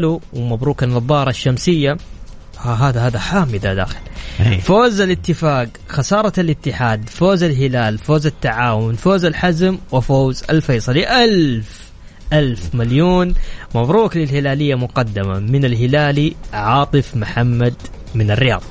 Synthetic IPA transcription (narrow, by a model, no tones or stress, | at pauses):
luwmabɾuːkanɑðˤːɑːɾˤɑʃːamsɪjːa | haɦaːðahaːðaħaːmɪd̪ad̪a̰ːxɪ̥lfoːzalɪt̪ːɪfaːɡ | xɑsɑːɾˤɑlɪt̪ːɪħaːd̪foːzalɦɪlaːlfoːzat̪ːaʕaːwʊnfoːzalħazmwɪfoːza̰lfɑjsˤɑliʔalf | ʔalfmaljoːnmabɾuːklɪlhɪlaːlɪjːamʊqɑd̪ːama̰mɪnalɦɪlaːliʕɑːt̪ˤɨfmʊħamːad̪ | mɪnɪrːɪjɑ̰ːðˤ